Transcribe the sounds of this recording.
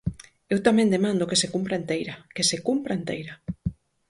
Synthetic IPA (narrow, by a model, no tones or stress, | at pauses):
ewt̪amɛ̃nd̪emãnd̪ʊkesekumpɾaent̪ejɾakesekumpɾaent̪ejɾa